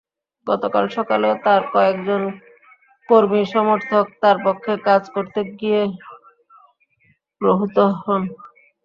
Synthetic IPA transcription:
ɡɔt̪okalʃɔkalot̪aɾkɔekd͡ʑon | koɾmiʃɔmoɾt̪ʰok̚t̪aɾpokʰːekad͡ʑkoɾt̪eɡie | pɾoɦut̪oɦɔn

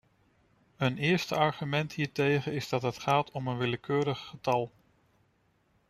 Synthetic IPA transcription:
ənɪːɹstəɑɹχymɛntɦiːɹtejχənɪzdɑtɦətχaːtʰɔmənʋɪləkʰøːɾəχːətɑlˠ

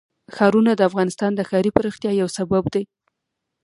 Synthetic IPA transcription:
xɑɾunad̪əafɣɑnɪst̪ɑnd̪əxɑɾipəɾɪxt̪jɑjawsababd̪aj

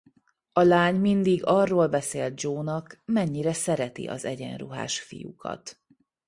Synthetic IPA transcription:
ɒlaːɲmind̪iɡɒrːoːlbɛseːlt̪̚d͡ʒoːnɒkmɛɲːiɾɛsɛɾɛt̪ḭʔɒ̰zɛɟɛ̰nruɦa̰ːʃfḭjṵkʰɒ̰t̪

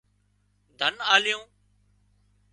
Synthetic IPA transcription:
d̪ʱənaːlɪjõː

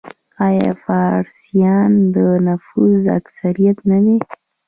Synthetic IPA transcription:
ɑjɑ̰fɑɾsijɑnd̪ənafuza̰ksaɾijat̪nad̪e

